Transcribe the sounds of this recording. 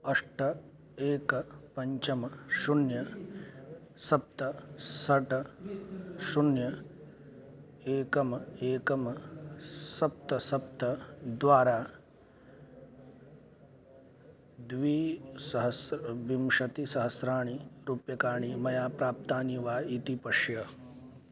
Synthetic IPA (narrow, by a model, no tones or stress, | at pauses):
ɐʂʈɐ | eːkɐpɐɲt͡ʃɐmɐʃunjɐ | sɐp̚t̪ɐsɐʈɐ | ʃunjɐ | eːkɐmɐeːkɐmɐ | sɐp̚t̪ɐsɐp̚t̪ɐd̪ʋaːɾaː | d̪ʋiːsɐɦɐsbimʂɐt̪isɐɦɐsɾaːɳ̃iɾupjɐkaːɳimɐjaːpɾaːp̚t̪aːniʋaːit̪ipɐʂjɐ